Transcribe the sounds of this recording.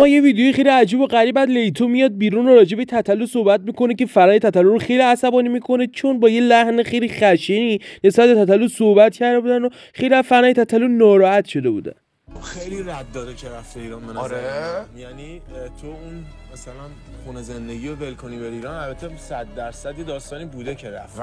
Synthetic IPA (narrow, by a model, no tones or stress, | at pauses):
mɒːje̞viːd̪ejojxejliæd͡ʒiːbo̞ɢæɾiːbæd̪le̞jt̪ʰomijɒːd̪̚biːɾunoɾɒːd͡ʒe̞bet̪ʰæt̪ʰælːosohbæt̪̚miːko̞nece̞fæɾnɒːjet̪ʰæt̪ʰælːoɾoxe̞jliæsæbɒːnimiːkʰo̞net͡ʃʰo̞nbɒːje̞læhnexejlixæʃenine̞sbæt̪̚be̞t̪ʰæt̪ʰælːosohbæt̪cʰæɾd̪e̞buːd̪ænd̪o | xejliæzfænɒːjet̪ʰæt̪ʰælːonɒːɾɒːæt̪ʃo̞d̪e̞bṵːd̪æ̰n | oxejliɾæd̪ːɒːd̪ecʰeɾæft̪eiːɾɒːnbenɾejænit̪ʰoun | mæsælæn | χunezend̪eɡiovelkʰonibeɾiːɾɒnælbæt̪ʰːesæd̪ːæɾsæd̪jed̪ɒːst̪ɒːniːbuːd̪ecʰeɾæ̰ft̪